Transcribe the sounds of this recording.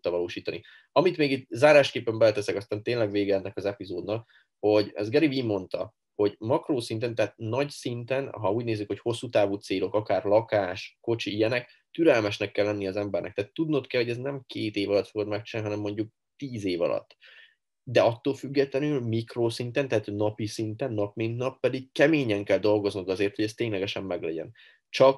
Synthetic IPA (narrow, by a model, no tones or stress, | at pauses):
t̪ɒvɒloːʃiːt̪ɒnḭ | ɒmit̪meːɡit̪zaːɾaːʃkeːpːɛmbɛlɛt̪ɛsɛkɒst̪aːnt̪eːnlɛɡʋeːɡɛɛkɒzɛpizoːd̪nɒk | ho̞ɟɛ̰zɡɛɾivimo̞nt̪ɒ̰ | ho̞ɟmɒkroːsint̪̬ɛnt̪ɛɦaːt̪nɒcsint̪ɛnɦɒuːɟneːzːykho̞cho̞sːuːt̪aːvuːt̪seːlo̞kɒkaːrlɒkaːʃko̞t͡ʃiijɛnɛk | t̪yɾɛlmɛʃnɛkːɛlːɛnːiɒzɛmbɛrnɛ̰k̚t̪ɛːt̪ːud̪not̪kɛlhoɛznɛmkeːt̪eːvɒlɒt̪fo̞ɡod̪mɛk̚t͡ʃinaniɦɒnɛmːo̞ɲɟuk̚ | t̪iːzeːvɒ̰lɒ̰t̪ː | d̪ɛɒt̪ːoːlfyɡːɛt̪lɛnylmikroːsint̪ɛnt̪ɛɦaːt̪nɒpisint̪ɛnːɒpmint̪nɒpːɛd̪ik̚kɛmeːɲɛŋkɛld̪o̞lɡo̞znuŋkɒzeːrt̪ho̞ɟɛst̪ːeːɲlɛɡɛʃɛmːɛɡlɛ̰ɟɛ̰n | t͡ʃɒk